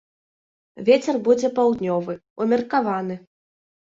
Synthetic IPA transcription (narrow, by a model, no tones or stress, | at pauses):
vʲet͡sʲɛrbud͡zʲɛpawd̪nʲɔvɨ | umʲɛrkavanɨ